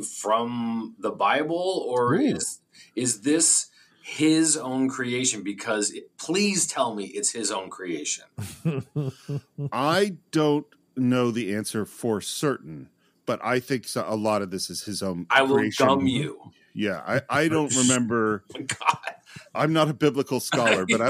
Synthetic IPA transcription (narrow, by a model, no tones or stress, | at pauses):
fɹʌ̃mðəbaɪbl̩ˠə˞ɪz | ɪzðɪs | hɪzõʊ̃nkʰɹ̥ieɪʃɨ̃nbɨkʰʌzɪpʰl̥iz̥tʰɛlˠmiʔɪtshɪzõʊ̃nkʰɹ̥ieɪʃɨ̃n | ʔaɪd̥õʊ̃nː | oʊðiæ̃nsə˞fə˞sɜ˞ʔn̩ | b̥ʌɾʔa̰ɪθɪ̃ŋksʔəlɔɾʌvðɪsɨz̥ɨzõʊ̃nkaɪɹieɪʃʌmjʉ | jæa̰ɪʔaɪdõʊ̃nʔɹɨmɛ̃mbə˞ɡ̥ɑtʔãɪ̃mnəɾɨbɪbləkl̩ˠskɑlˠə˞b̥ʌɾaɪ